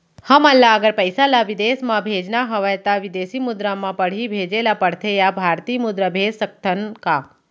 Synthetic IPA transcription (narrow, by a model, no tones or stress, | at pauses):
həmalːaəɡəɾpəjsalaʋɪd̪eːsmãbʱeːd͡ʒnaɦəʋajt̪aʋɪd̪eːsimʊd̪ɾamãpəɽ̤ibʱeːd͡ʒelapəɽ̤t̪ʰejabʱaɾt̪iːmʊd̪ɾəbʱeːd͡ʒsək̚t̪ʰənka